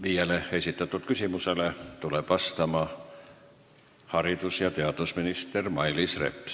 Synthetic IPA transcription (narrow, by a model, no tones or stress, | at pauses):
ʋiæleesit̪ːæt̪ːult̪kysimuselet̪ulepɑst̪ɑmɑ | hɑrit̪usjɑt̪eɑt̪usminist̪ermɑilisrḛpː